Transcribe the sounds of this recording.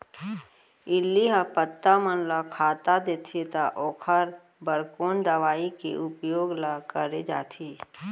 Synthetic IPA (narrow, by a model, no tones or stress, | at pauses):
ɪlːiɦapət̪ːamənlakʰaːt̪ad̪eːt̪ʰet̪aʔoːkʰaɾ | bəɾkoːnd̪əʋaːikḛʔʊpjoːɡlakəɾed͡ʒa̰ːt̪ʰiː